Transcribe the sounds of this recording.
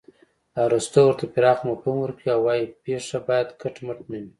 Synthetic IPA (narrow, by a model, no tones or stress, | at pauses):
laɾust̪owəɾt̪apiɾɑxmapumwəɾkɽiawwːɑjipeʂabɑjad̪kʰaʈmaʈ̚mani